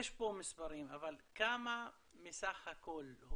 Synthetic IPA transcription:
eʃpomispaʁimavalkama | misaχhako̞lh

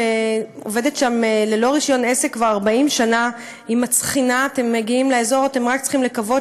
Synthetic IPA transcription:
eo̰ve̞detʃamelelo̞ʁiʃjo̞ne̞sekvaaʁbaimʃana | imat͡sχinaːte̞mːeɡiimleaezo̞ʁate̞mʁaktt͡sχimlekavo̞

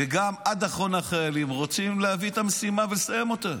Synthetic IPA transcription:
veɡamad̪aχo̞naχajalimʁo̞t͡simleaviet̪amesimavelesaje̞mo̞t̪a

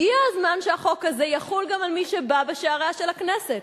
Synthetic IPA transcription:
jiazmanʃeaχo̞kazejaχulɡamalmiʃebabeʃeaʁaʃelakneset

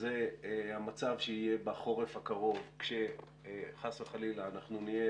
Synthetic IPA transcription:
zehamat͡savʃeije̞baχo̞ʁefhakaʁo̞vkʃe | χaseχalilaːnaχnunie

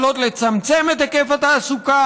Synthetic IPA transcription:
lot̪let͡sɐmt͡semet̪ekefɐt̪asuka

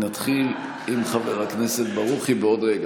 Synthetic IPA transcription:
nat̪χil | imχaveʁakne̞se̞t̪̚baʁuχibeo̞d̪ʁeɡa

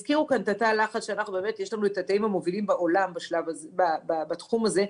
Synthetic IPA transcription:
z̥kiʁukant̪atalaχatʃeanaχnube̞ːme̞t̪jeʃlanuetat̪aimhamo̞vilimbaʔo̞lambaʃlavabababatχumaze̞

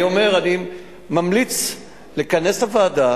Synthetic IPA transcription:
ome̞ʁani | mamlit͡s | lekanesavaːd̪a

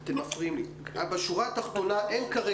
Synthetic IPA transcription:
at̪emafʁiimli | abeʃuʁat̪aχt̪o̞naʔenkaʁe

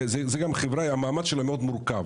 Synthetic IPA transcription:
zezeɡamχevɾaamaːmad̪ʃelameo̞d̪muɾkav

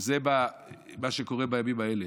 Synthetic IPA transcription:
zeba | maʃeko̞ʁebajamimaele

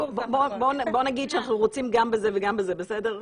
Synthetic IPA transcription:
obbobonbonaɡid̪ʃeanaχnuʁot͡simɡambezeveɡambezebesedeʁ

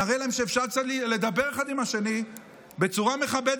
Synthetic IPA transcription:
aʁejlaemʃeːfʃaʁk̚t͡sat̪lle̞d̪abe̞ʁeχad̪imaʃe̞ni | be̞t͡suʁame̞χabed̪

